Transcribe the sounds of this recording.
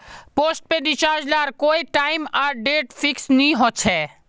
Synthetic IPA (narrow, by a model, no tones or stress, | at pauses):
poːsʈ̚peɖɪt͡ʃaːɾd͡ʒlaːɾkoːiʈaːɪmaɾɖeːʈfʰɪksnĩɦõːt͡ʃʰɛː